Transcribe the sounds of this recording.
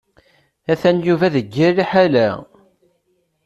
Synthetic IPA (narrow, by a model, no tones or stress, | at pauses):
æθænjuvæðəɡːiɾːiħalæ